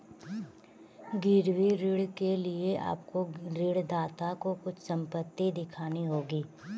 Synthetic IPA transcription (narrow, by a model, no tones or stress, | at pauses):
ɡɪɾwiɾɪɽkelieʔa̰ːpkoɾɪɽd̪aːt̪akokʊt͡ʃʰsɐ̃mpət̪ːid̪ɪkʰaːniɦoːɡiː